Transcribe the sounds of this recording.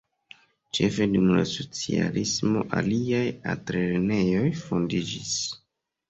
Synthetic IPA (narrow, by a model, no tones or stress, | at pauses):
t͡ʃe̞fe̞dumlaso̞t͡sia̰lismo̞ʔaliajatɾeɾene̞jo̞jfo̞ndid͡ʒis